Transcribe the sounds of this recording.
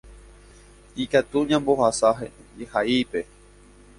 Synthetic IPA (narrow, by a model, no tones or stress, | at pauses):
ikat̪uɲãmbohasaɦḛ | ehaipe